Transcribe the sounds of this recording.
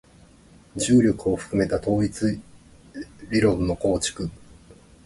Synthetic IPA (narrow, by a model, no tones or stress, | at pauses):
d͡ʑɨːɾʲo̞kɯ̟o̞ɸɯ̟̥kɯ̟me̞t̪at̪o̞ːit͡sɨ | ɾʲiɾõ̞nːo̞ko̞ːt͡ɕi̥kɯ̟